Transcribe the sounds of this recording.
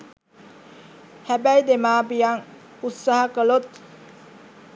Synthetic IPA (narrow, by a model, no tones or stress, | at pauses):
hæbæjd̪emaːbijaŋ | ut̪saɦakəlot̪̚